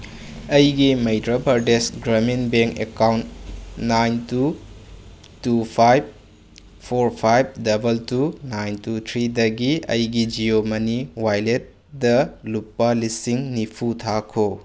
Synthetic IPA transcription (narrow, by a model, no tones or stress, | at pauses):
ɐjɡimejdɾabʱɐɾdesɡɾɐminbeŋkekawntnajntu | tupʰajb̚ | pʰoɾpʰajb̚dɐbɐltunajntutʰɾidɐɡiɐ̰jɡid͡ʒiomɐniwajlet̚ | dɐlupːɐlisiŋnipʰutʰakʰo